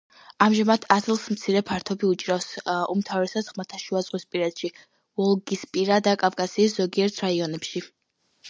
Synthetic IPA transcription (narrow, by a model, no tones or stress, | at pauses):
amʒamad̪ʰazlˠsmt̪sʰiɾɛpʰaɾt̪ʰɔbiut͡ʃʼɾafsumt̪ʰavɾɛsasʁmat̪ʰaʃuazʼqʼwispʼiɾɛd̪ʃi | vɔlˠɡispʼiɾad̪akʼafkʼasiːsz̥ɔɡiɛɾt̪ʰɾaiɔnɛpʃi